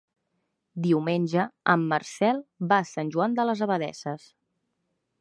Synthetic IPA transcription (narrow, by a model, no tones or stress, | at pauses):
d̪iwmenʲʒəəmːərsɛlˠbasanʲʒuand̪ələzəβəðɛ̰səs